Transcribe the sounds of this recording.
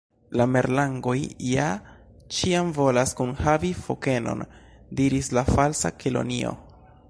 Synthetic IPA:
lame̞ɾlaŋɡo̞jja | t͡ʃiamvo̞laskunhavifo̞ke̞no̞̰n | diɾislafalsa̰kelo̰nio̞̰

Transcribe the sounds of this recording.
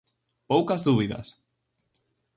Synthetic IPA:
powkɐzðuβiðɐ̰s

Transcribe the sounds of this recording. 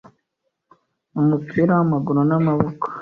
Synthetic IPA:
umupʰiɾawamaɡuɾonamaβokḁ

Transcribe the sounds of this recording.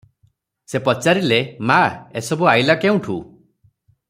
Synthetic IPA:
sepɔt͡ʃaɾilemaesɔbuajlakeũʈʰṵ

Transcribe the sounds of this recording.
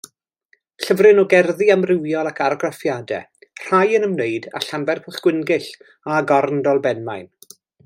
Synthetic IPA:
ɬəvrɨnɔɡɛrðiamrɪwjɔlˠakʰaɾɡrafjadɛ̰ | r̥ajənəmnejda̰ɬambɛrpʰʊɬɡ̥wɪnɡɨɬ | aɡɔrndɔlˠbɛnmajn

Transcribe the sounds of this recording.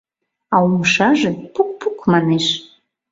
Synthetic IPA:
ɑuməʃɑʒepuk̚pukmɑneʃ

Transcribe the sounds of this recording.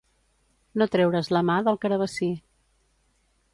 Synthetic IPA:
not̪ɾɛwɾəzləmaðəlˠkəɾəβ̞əsi

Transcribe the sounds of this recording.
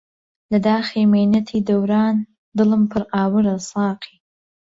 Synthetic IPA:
lɐd̪aːxemejnɐt̪ʰiːd̪ɐwɾɑːn | d̪ɨlɨmpʰɨɾaːwɨɾɐsɑːqʰi

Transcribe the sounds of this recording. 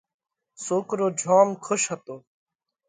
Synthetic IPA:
soːkɾoːd͡ʒʱaːmkʰʊʃɦət̪oː

